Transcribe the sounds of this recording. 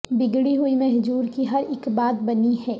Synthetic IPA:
bɪɡɽiɦuimɛɦd͡ʒuːɾkiɦɐɾɪkbaːt̪̚bɐniɦɛː

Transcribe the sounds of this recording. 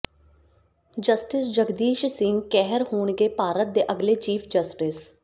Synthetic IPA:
d͡ʒəsʈɪsd͡ʒəɡd̪iːʃsɪ̃ŋɡkɛɦəɾhoːɳɡeːpaːɾət̪̚d̪eːʔəɡleːt͡ʃiːpʰd͡ʒəsʈɪs

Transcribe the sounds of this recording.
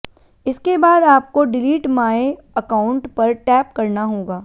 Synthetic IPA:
ɪskebaːd̪aːp̚koɖɪliːʈmaːe | ɐkaːʊ̃ɳʈpɐɾʈɛːp̚kɐɾnaɦoːɡaː

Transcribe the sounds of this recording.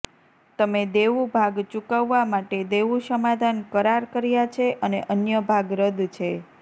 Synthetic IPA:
t̪əmed̪eʋubʱaɡt͡ʃukəʋːamaʈed̪eʋuʃəmad̪ʱankəɾaɾkəɾjat͡ʃʰeʔəneʔənjəbʱaɡɾəd̪t͡ʃʰe

